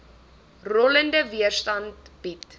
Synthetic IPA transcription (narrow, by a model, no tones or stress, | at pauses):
rɔləndəviərstɐntb̥it